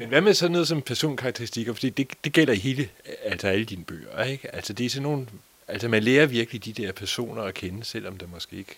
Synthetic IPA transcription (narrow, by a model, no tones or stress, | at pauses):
menʋæmeðˠsɒ̽nːɔːðˠsɒ̽mpʰæɐso̝̰ːnkʰɑ̈ɡ̚t͡sʰeʁisd̥iɡ̥ɐfɒ̽d̥ḭːd̥e̝d̥e̝ɡ̥el̰ɐiɦe̝ːləæl̰sɒæləd̥iːnəb̥ø̰ːɐeɡ̥æl̰sɐd̥e̝æɐsɒ̽nːo̝ːn̩ | æl̰sɐmænleːɐʋiɐɡ̥əlid̥id̥ɛɐ̰pʰæɐso̝̰ːnɐɒkʰenəsel̰ɒ̽md̥emɒ̽sɡ̥e̝̰ːeɡ̥